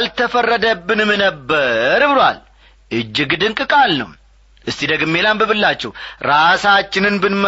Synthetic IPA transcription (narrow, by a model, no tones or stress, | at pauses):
lt̪ʰəfərːəd̪əbːɨnɨmnəbːəɾɨbɨɾwa̰l | ʔɨd͡ʒːɪɡd̪ɨŋkʼɨkʼalnə̰w | ʔɨst̪id̪əɡɨmːelambɨβɨlːat͡ʃːɛwɾasat͡ʃːɪnɨnbɨnm